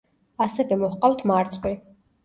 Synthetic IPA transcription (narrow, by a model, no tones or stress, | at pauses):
asɛvɛmɔhqʼalt̪ʰmaɾt̪sʼwi